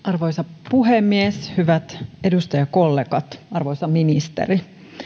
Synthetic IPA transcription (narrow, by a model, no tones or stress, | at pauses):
ʔɑrʋojsɑpuɦemːieshyʋæt̪edust̪ɑjɑkolːeɡɑt̪ɑrʋoisɑminist̪ḛri